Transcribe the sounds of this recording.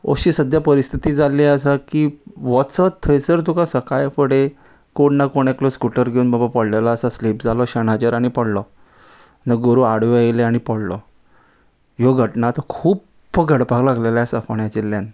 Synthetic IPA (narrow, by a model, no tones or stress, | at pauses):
o̰ɕisəd̪ʱjapəɾist̪ʰit̪iːd͡zaleəs̬akiːʋɔsət̪ʰːəjsəɾt̪̬ukasəkajfəɽe | koɽnakoɽ̃ekloskuʈəɾɡʱeuːnbabapəɽlelaəsaslipd͡zalɔɕənat͡ɕəɾaɽ̃ipəɽlɔ | nəɡoɾuaɽʋeajleaɽ̃ipəɽlɔ̰ | joɡʱəʈnat̪ɔkʰuːpː | ɡʱəɽpaklaɡleljasəfəɳjat͡ɕelːjan